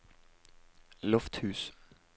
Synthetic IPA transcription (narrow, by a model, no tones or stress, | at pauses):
lɔft̪hʉːs